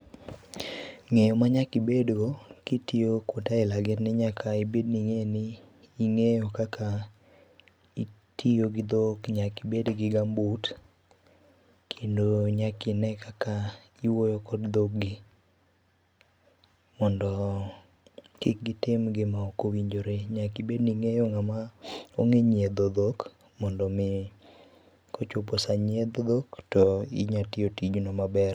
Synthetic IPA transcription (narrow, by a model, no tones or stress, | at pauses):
ŋejomaɲakibedɡokitiokotaɪlaɡɪnnɪɲakʰaibedniŋenɪː | ŋejokakʰa | itʰijoɡɪd̪okɲakibedɡɪɡambot | kʰendoɲakɪnɛkaka | iwojokɔdd̪ok̚ɡɪ | mɔndɔ | kɪk̚ɡɪtɪmɡɪmaokowiɲd͡ʒoɾeɲakibedniŋejoŋamaoŋeɲed̪od̪ok | mɔndɔmɪ | kot͡ʃoposaɲed̪od̪oktɔɪ̰ɲatiotid͡ʒnomabɛr